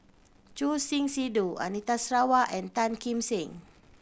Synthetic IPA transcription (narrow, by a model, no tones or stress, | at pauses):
t͡ʃusiŋsidua̰nit̪asɾawaʔɛnt̪ankimsiŋ